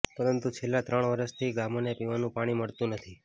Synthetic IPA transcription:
pəɾənt̪ut͡ʃʰelːat̪ɾəɳ̃ʋəɾəʃt̪ʰiɡamonepiʋanũpaɽ̃iməɽt̪ũnət̪ʰi

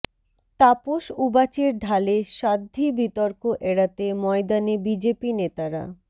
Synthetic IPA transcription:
t̪apoʃubat͡ɕeɾɖʱaleʃad̪ʱːibit̪oɾkoʔeɽat̪emɔed̪anebid͡ʑepinet̪aɾa̰

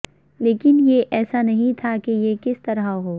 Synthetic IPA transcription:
leːkɪnjeʔɛːsanɐɦĩt̪ʰakejekɪst̪ɐɾaɦoː

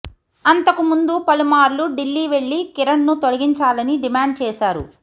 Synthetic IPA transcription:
ɐnt̪ɐkumund̪upɐlumaːɾluɖilːiːʋeɭːikiɾɐɳnut̪olɐɡiɲt͡ʃaːlɐniɖimaːɳɖ̚t͡ʃɛːʃaːɾṵ

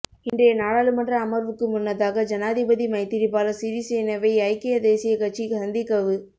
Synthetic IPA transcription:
ɪndrɐjɐnaːɽaːlɯmɐndrɐːmɐɾʋɯkːɯmʊnːɐðaːɣɐd͡ʒɐnaːðɪbɐðimɐɪt̪ːɪɾipaːlɐsɪɾisejnɐʋɐɪɐɪkːɪjɐd̪eːsɪjɐkɐʈt͡ʃːiɡɐnd̪ɪkːɐʋɯ

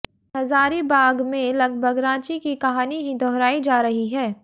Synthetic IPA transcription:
ɦɐzaːɾibaːɡmẽlɐɡ̚bʱəɡɾãːt͡ʃikikɐɦaːniɦĩd̪ʱɔːɾaːid͡ʒaːɾɐɦiɦɛː

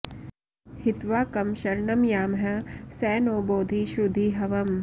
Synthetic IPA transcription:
hɪt̪ʋaːkɐmʃɐɾɳɐmjaːmɦɐsɛːnoːboːd̪ʱiʃɾud̪ʱiːɦɐʋɐm

